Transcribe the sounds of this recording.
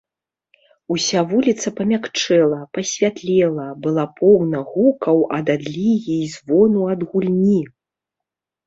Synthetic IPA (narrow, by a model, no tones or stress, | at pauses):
usʲavulʲit̪sɐpɐmʲakt͡ʂɛlˠɐpɐsʲvʲat̪lʲɛlˠɐbɨlˠapʰɔɣnɐɣukɐwɐd̪ad̪lʲiɣʲiːzvɔnuɐd̪ɣulʲnʲi